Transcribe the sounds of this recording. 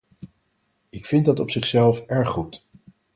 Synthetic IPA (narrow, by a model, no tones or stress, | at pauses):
ɪkfɪndɑtɔpsɪχsɛlˠfɛɹχːut